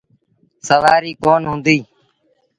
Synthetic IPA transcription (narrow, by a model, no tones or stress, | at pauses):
səʋaːɾiːkoːnɦʊ̃nd̪iː